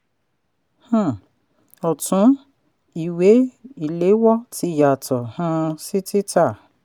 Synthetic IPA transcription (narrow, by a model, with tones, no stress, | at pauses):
hũ˦˨ | ɔ˨tũ˨˦ | i˨we˨˦i˨le˨˦wɔ˦ti˧˦˨ja˨tɔ˨hũ˧si˦ti˦ta˦˨